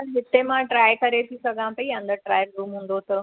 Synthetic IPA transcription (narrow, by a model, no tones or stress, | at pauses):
ɐɦɪt̪emãʈɾaːjkɐɾet̪ʰisɐɡʱãpɐiãnd̪əʈɾaːjəɾɾuːmɦũːn̆d̪ot̪ʰə